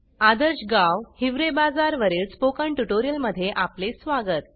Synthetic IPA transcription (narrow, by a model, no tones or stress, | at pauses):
ad̪əɾɕɡaʋhiʋɾebad͡zaɾʋəɾiːlspokəɳʈuʈoɾijəlməd̪ʱːjeʔaplesʋaɡət̪